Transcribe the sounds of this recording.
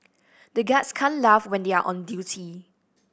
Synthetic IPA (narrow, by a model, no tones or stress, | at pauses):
dəɡɛtskʰãnlafwɛ̃ndeaʔɔ̰̃ndjutʰi